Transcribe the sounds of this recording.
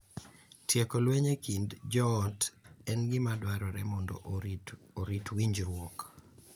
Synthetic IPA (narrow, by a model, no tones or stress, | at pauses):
tjekolweɲekindd͡ʒɔːtɛnɡɪmadwaɾɔɾɛmɔndɔ̰ʔ | oɾitwiɲd͡ʒɾwɔk